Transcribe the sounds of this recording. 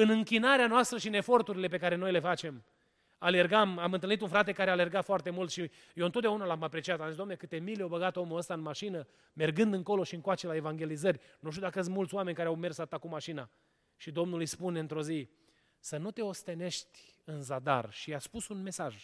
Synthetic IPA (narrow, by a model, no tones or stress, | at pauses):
ɨnɨŋkʲinaɾeanoast̪ɾəʃiɨne̞fo̞rt̪uɾile̞p̬e̞kaɾe̞no̞jle̞fat͡ʃe̞m | ale̞rɡamamɨnt̪ɨlnit̪unfɾat̪e̞kaɾeale̞rɡat̪foart̪e̞mult̪ʃi | jewɨnt̪ot̪d̪ʲaunalamapɾe̞t͡ʃiat̪amzisd̪anekɨt̪e̞mileawbəɡat̪omuəst̪aɨnmaʃinə | me̞rɡɨnd̪ɨŋko̞lo̞ʃiɨŋkwat͡ʃelae̞vaŋɡʲe̞lizərʲnuʃt̪jud̪akəəsmult̪sʲwame̞nʲkaɾeawme̞rsat̪akumaʃina | ʃid̪o̞mnulɨjspune̞ɨnt̪ɾo̞zi | sənut̪e̞o̞st̪e̞ne̞ʃt̪ʲɨnzad̪a̰rʃiaspusunme̞saʒ